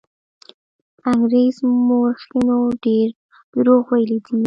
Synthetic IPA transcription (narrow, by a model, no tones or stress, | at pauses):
aŋɡɾezmoɾxinoɖeɾ | ɾoɣwajlid̪i